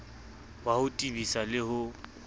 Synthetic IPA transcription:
wahʊtʼibisalɪhʊ

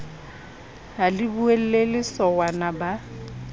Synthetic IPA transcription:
halɪbuel̩lelɪsɔwanaba

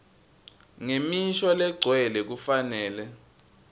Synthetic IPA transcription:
ŋemiʃɔlɛɡ͡ǀʱwɛlɛk̬ufanɛːlɛ

